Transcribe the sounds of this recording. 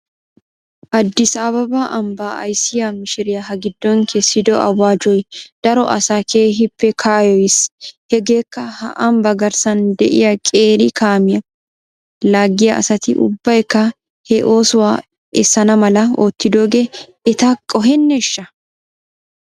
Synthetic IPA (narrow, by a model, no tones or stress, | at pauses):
ʔɐd̪ːɪsaːbɐbaʔɐmbaːɐ̰jsɪjɐmɪʃɪɾɪjɐɦɐɡɪd̪ːɔŋkʰesːɪd̪ɔɐ̰wːaːd͡ʒɔjd̪̥ɐɾɔʔɐ̰sakʰe̞ːɦɪpːɛkʰaːjɔjɪshɛɡe̞ːkːɐhɐ̰ʔɐmbɐɡɐɾsɐnd̪ɛʔɪjɐkʼeːɾɪkʰaːmɪjɐ | laːɡːɪjɐʔɐ̰sɐt̪ɪʔʊ̰bːɐjkːɐ | hɛʔo̞ːsʊwaː | ɛsːɐnɐmɐlɐoːt̪ːɪd̪o̞ːɡe | ɛt̪akʼːɔɦɛnːɛʃːɐ